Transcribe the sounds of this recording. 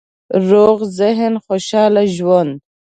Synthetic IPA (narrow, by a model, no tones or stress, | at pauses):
ɾoɣzɪɦnχoʃɑːlaʒwand̪